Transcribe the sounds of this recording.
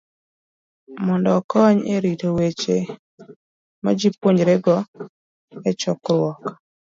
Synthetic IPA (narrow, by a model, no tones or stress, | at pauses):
mɔndɔkɔɲeɾitowet͡ʃe | ma̰d͡ʒipwoɲɾeɡɔ | ɛt͡ʃɔkɾwɔk